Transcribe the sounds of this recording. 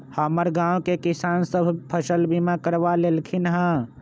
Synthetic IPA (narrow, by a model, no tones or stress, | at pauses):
haːməɾɡãːõkekɪsaːnsəbʱpʰəʃəlbimakəɾʋaleːlkʰɪnɦãː